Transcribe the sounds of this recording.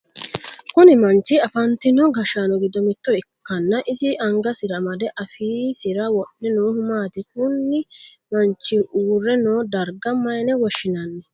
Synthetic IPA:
kʊnɪmɐnt͡ʃːɪɐfɐnt̪ɪnɔɡɐʃaːnɔɡɪd̪ɔmɪt̪ːɔɪkːɐnːɐʔɪzɪʔɐŋɡɐsɪɾɐmɐd̪ɛʔɐfiːsɪɾɐwɔʔːɛnoːhʊmaːt̪ɪkʊnːɪ | mɐnt͡ʃːɪurːɛnoːd̪ɐɾɡɐmːɐjnɛwɔʃːɪnɐnːɛ

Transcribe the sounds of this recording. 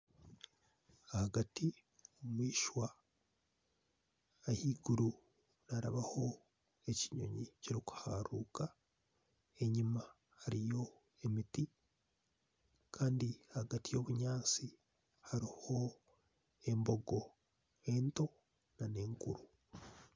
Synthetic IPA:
ahaɡati | omwiːʃwa | ahiːɡuɾu | naɾaβaho̞ | e̞ciɲo̞̰ɲiciɾiku̥haɾuːka | e̞ɲima | haɾijo̞ | emiti | kʰaːndiahaɡatijo̞ːβuɲaːnt͡si | haɾiho̞ | e̞mbo̞ɡo̞ | e̞nto̞ | nane̞ːŋkṵɾu

